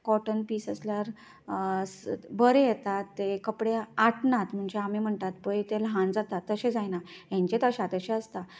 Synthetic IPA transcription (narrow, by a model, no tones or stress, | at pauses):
kɔʈənpiːsəsljaɾ | sbəɾejɛt̪at̪ːekəpɽeaʈɳat̪m̤əɳd͡zeamim̤əɳt̪at̪̚pəjt̪elɦãnd͡zat̪at̪ːəɕed͡zajnaɦjãɲt͡ɕet̪əɕat̪əɕẽəst̪a